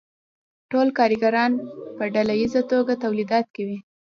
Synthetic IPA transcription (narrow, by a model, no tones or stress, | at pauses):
ʈolkɑɾɪɡaɾɑnpəɖalajizat̪oɡat̪awlid̪ɑt̪̚kawi